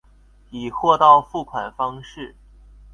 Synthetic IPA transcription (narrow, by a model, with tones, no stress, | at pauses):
i˨˩xwɔ˥˧t̪ɑ˥˧ʊfu˥˩kʰwa˨˩nfɑ˥ŋʂɻ̩˥˩